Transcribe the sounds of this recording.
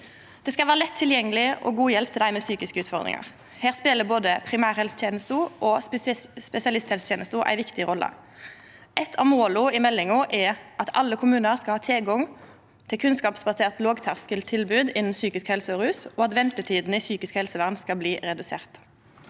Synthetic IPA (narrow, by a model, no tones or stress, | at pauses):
d̪̥ɛːskɑlʋæːʁəlɛt̪ʰːɪljɛŋːəlɪʔɔ̰ɡuːjɛlpt̪ʰɪld̪æɪmɛːsyːkɪskəʉːt̪fɔʁd̪ʁɪ̰ŋɑ̰ʁ | heːʁspeːləboːd̪əpʰʁɪmæːʁhɛlst̪ʰɛːnəst̪əʔɔ | spɛsɪɑlɪst̪hɛlst̪ʰɛːnəst̪əʔæ̰ɪʋɪkt̪ɪʁɔlːə̰ | ʔɛt̪ʰɑ̰ʋmoːlʊɪmɛlːɪŋʊʔɛʔɑt̪ʰɑ̰lːəkʰʊmʉːnəʁskɑlhɑːt̪ʰɛlɡɔŋ | t̪ʰɪlkʰʉnskɑːpsbɑseːʁt̪loːɡt̪ʰɑʁskəlt̪ʰɪlbʉːd̪ɪnn̩syːkɪskhɛlsəɔʁʉːsoːɑt̪ʋɛnt̪ət̪ʰiːd̪n̩ɪsyːkɪskhɛlsəʋæʁnskɑbliːʁɛd̪ʉsḛːʁt̪